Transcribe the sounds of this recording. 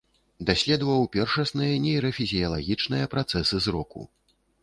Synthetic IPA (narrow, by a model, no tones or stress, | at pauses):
d̪asʲlʲɛd̪vɐwpʲɛrʂɐsnɨjɐnʲɛjɾɐfʲizʲijɐlˠaɣʲit͡ʂnɨjɐpɾat̪sɛsɨzɾɔkṵ